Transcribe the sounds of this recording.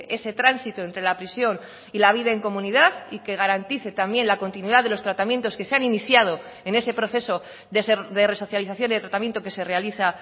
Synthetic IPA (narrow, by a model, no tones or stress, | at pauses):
ʔe̞se̞t̪ɾansit̪oent̪ɾe̞lapɾisjo̞n | ilaβ̞iðae̞ŋko̞mũniðaðike̞ɣ̞aɾant̪iθe̞t̪ambje̞nlako̞nt̪inwiðaðelo̞st̪ɾat̪amje̞nt̪oske̞seaniniθjað̞o̞ | e̞ne̞se̞pɾo̞θe̞so | ðesðe̞re̞so̞θjaliθaθjoniðe̞t̪ɾat̪amjent̪o̞ke̞se̞re̞aliθa